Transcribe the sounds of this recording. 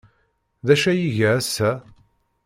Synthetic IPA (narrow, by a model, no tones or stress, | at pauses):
ðæʃæjiʝæːsæ